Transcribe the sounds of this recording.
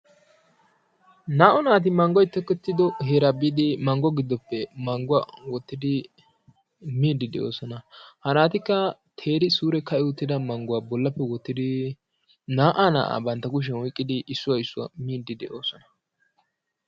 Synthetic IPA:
naːʔɔnaːt̪̬ɪmɐŋɡɔjt̪ːɛkːɛt̪ːɪd̪ɔɦeːɾabid̪ɪmɐŋɡɔɡɪd̪ːɔpːɛmɐŋɡʊwawɔt̪ːɪd̪ɪ | miːd̪ːɪd̪ɛʔo̞̰ːsɔnɐhɐnaːt̪ɪkːɐt̪ʰeːɾɪsuːɾɛkɐʔɪwɔt̪ːɪd̪ɐmɐŋɡʊwabɔlːɐpːɛwɔt̪ːɪd̪ɪ | naːʔaːna̰ːʔa̰bɐnt̪ːɐɡʊʃ̬ɛnwɔjkʼːɪd̪ɪʔɪsːʊwaɪsːʊwa̰miːd̪ɪd̪ɛʔo̞ːsɔnɐ̥

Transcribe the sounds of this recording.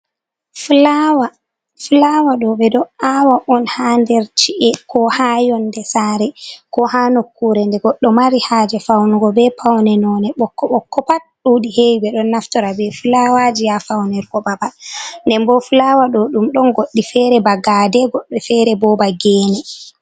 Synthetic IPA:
flawa | fulawaɗɔbɛdɔawaʔɔnhandɛɾt͡ʃiʔɛkɔhajɔndɛsaɾɛkɔhanokːuɾɛndɛɡɔɗːɔmaɾihaːd͡ʒɛfawnuɡɔbɛpʰawnɛnɔnɛɓɔkːɔɓɔkːɔpat̚ɗuɗiheibɛɗɔnːaftɔɾabɛfulawad͡ʒijafawnɛɾɡɔbabandɛmbɔfulawaɗɔɗumɗɔnɡoɗːifɛɾɛbaɡadɛɡɔɗːɔfɛɾɛbɔbaɡɛːnɛ

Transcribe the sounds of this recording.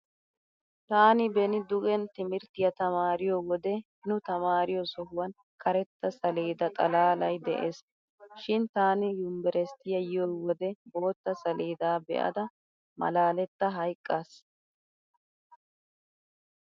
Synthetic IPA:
t̪aːnɪbɛnɪd̪ʊɡɛnt̪ɪmɪɾt̪ɪjɐt̪ɐmaːɾɪjoːwɔd̪ɛhɪnʊt̪ɐmaːɾɪjɔsɔhʊwɐn | kʰɐɾɛt̪ːɐsɐleːd̪ɐt̪ʼɐlaːlɐjd̪ɛ̰ʔeːs | ʃɪnt̪aːnɪjʊmbɛɾɛst̪ɪjɐjɪjoːwɔd̪ɛbo̞ːt̪ːɐsɐleːd̪aːbɛ̰ʔɐ̰d̪ɐ | mɐ̰laːlɛt̪ːɐɦɐjkʼːas

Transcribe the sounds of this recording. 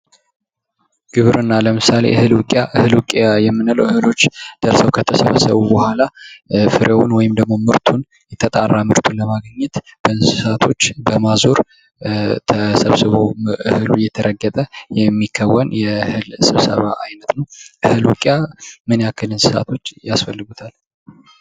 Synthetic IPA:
ɡ̥ɨβɾɨnːaləmɨsale̞̰ʔɨhɨlwʊkʼjaʔɨhɨlwukʼajɛmːɨnalə̰wɨhɨlo̞t͡ʃːd̪̥əɾsəwkʰət̪ʰəsəβəsəβubəhʷalafɨɾʔewʊ̰nwɔjɪmd̪əɡ̚mo̞mɨɾt̪ʰun | jɛt̪ʰət̪ʼarːamɨɾt̪ʰunləmaɡəɲːɛt̪b̥əɨnsɨsat̪ʰo̞t͡ʃːbəmazoɾ | t̪ʰəsə̰βsɨβo̞ʔɨhɨlujɛt̪ʰəɾʔəɡːət̪ʼəjɛmːikʰːəwːənjɛhɨlsɨβsə̰βa̰ʔajnət̪nəwʔɨhɨlwukʼjamɨnjakʰːɨlɨnsɨsa̰t̪ʰo̞t͡ʃːjasfəlːɨɡut̪ʰal

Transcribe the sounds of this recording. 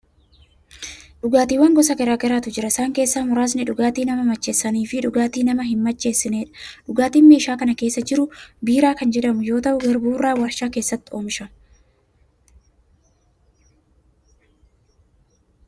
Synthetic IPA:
ᶑʊɡaːt̪iːwɐŋɡɔsɐɡɐɾaːɡɐɾaːt̪ʊd͡ʒɪɾɐɪsaːŋke̞ːsːaːmʊɾaːs̬nɪᶑʊɡaːt̪iːnɐmɐmɐt͡ʃːe̞ːsːɐniːfɪᶑʊɡaːt̪iːnɐmɐɦɪmːɐt͡ʃːe̞ːsːɪneːᶑɐ̥ᶑʊɡaːt̪iːnme̞ːʃaːkɐnɐke̞ːsːɐd͡ʒɪɾʊbiːɾaːkɐnd͡ʒɛᶑɐmʊjo̞ːt̪ɐʔʊɡɐɾbuːrːaːwɐɾʃaːke̞ːsːɐt̪ːɪ̥oːmʃɐ

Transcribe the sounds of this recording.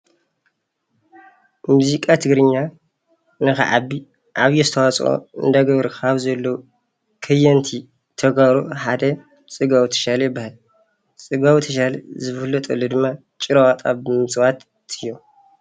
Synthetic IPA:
muzikʼat̪ʰɨɡɾɨɲːa | nɨxɨ̰ʕabi | ʔaβjɛzɨt̪ʰɐwat͡sʼo̰ɨ̰nd̪aɡɐβɾɨkʰaβzɐlːo | kʰɨjɐnt̪ʰi | t̪ʰɐɡaɾoħad̪ɐ | t͡sʼɨɡawit̪ʰɐ̥ʃalɐjɪbːahal | t͡sʼɨɡawit̪ʰɐʃalɐ̰zɨffɨlːɐt̪ʼɐlːod̪ɨmːa | t͡ʃʼɨɾawat̪ʼa̰bɨmɨswat̪ | ɨjːo

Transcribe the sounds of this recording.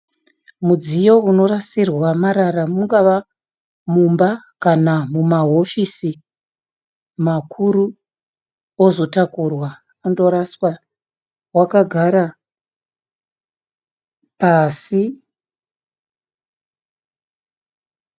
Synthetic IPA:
mud͡zijo̞uno̞rasirwamaɾaramuŋɡaʋa | mumbakanamumaɦo̞fisi | makʰuɾu | ozo̞takurwa | undo̞ɾaswa | wakaɡʱaɾa | pasi

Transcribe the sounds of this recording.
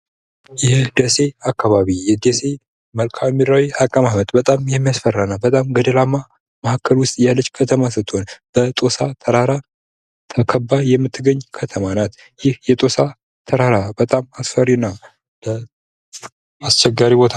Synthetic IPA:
jɛd̪əse̞akʰːaβaβijɛd̪ese̞ | məlkʰamiɾawiakʼəmamət̪ʼbət̪ʼamjɛmːijasfərːanabət̪ʼamɡəd̪əlamːa | məhakʰːəlwʊst̪ʼjalːət͡ʃːkʰət̪ʰəmasət̪ʰʼːonb̥ət̪ʼo̞sat̪ʰəɾaɾa | t̪ʰəkʰəbːajɛmːɨt̪ʰːɨɡəɲːkʰət̪ʰəmanat̪ | jɪhjɛt̪ʼo̞sa | t̪ʰəɾaɾabət̪ʼamasfərina | lə | ast͡ʃːɛɡːaɾibo̞t̪ʰa

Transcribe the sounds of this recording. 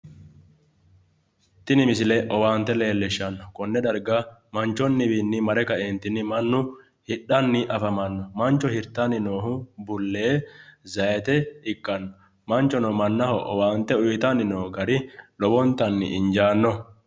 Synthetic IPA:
t̪ːɪnɪmɪsɪlɛʔɔwaːnt̪ːɛle̞ːlːɛʃːɐnːɔkɔnːɛd̪ɐɾɡamɐnt͡ʃːɔnːɪbinːɪmɐɾɛkɐʔeːnt̪ɪnːɪmɐnːʊ | hɪᶑːɐnːɪʔɐfɐmɐnːɔmɐnt͡ʃːɔhɪɾt̪anɪnoːɦʊbʊlːeːzɐjɛt̪ɛɪkʼːɐnːɔ | mɐnt͡ʃːɔnɔmɐnːɐhɔʔɔwaːnt̪ɛʊjt̪ɐnɪnoːɡɐɾɪlɔbɔnt̪ɐnːɪ̰ʔɪnd͡ʒaːnːɔ

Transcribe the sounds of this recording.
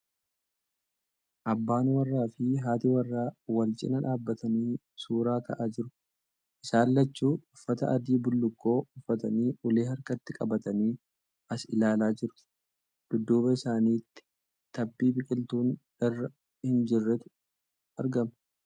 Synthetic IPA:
ʔɐbːaːnwɐrːaːfɪɦaːt̪ɪwɐrːaːwɐlt͡ʃʼɪ̰nɐᶑaːbːɐt̪ɐniː | suːɾaːkɐʔaːd͡ʒɪɾʊ | ʔɪsaːlːɐt͡ʃːuːʊfːɐt̪ɐ̰ʔɐd̪iːbʊlːʊkːo̞ːʊfːɐt̪ɐniːʔʊleːhɐɾkɐt̪ːɪkʼɐbɐt̪ɐniː | ɐsɪlaːlaːd͡ʒɪɾʊ̥ | ɡ̪̥ʊd̪ːuːbɐɪsaːniːt̪ːɪ̥ | t̪ɐbːiːbɪkʼɪlt̪uːnᶑɐrːɐ | hɪnd͡ʒɪrːɛt̪ʊ̥ | ɐɾɡɐmɐ̥

